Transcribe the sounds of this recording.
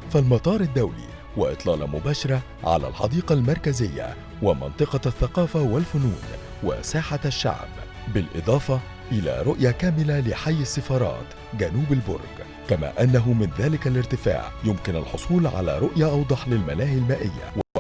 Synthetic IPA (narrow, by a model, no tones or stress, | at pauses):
falmɑt̪ˤɑːɾˤad̪ːawlḭː | hwaʔɨt̪ˤlɑːlɑ̰mʊbaːʃɑɾˤɑ | ʕa̰læ̰lħɑ̰d̪iːqɑlmɑɾˤkazɪjːa̰ | wɪmɑ̰nt̪ˤɨqɑθːaqɑːfawalfʊnuːn | wa̰saːħaʃːa̰ʕb | bɪlʔɨ̰d̪ˤɑːfɑ | ʔɪla̰ːɾʊʔjakæːmɪlalɪħajːasːɪfɑːɾˤɑ̰ːt̪ | ɡænuːbalbʊ̰ɾˤɡ | kamæ̰ːʔanːaɦʊmɪnðæːlɪkalɪɾt̪ɪfa̰ːʕjʊmkɪna̰lħʊsˤuːlʕa̰læ̰ːɾʊʔjaʔɑwd̪ˤɑħlɪlmalaːhɪalmaːʔɪ̰jːa̰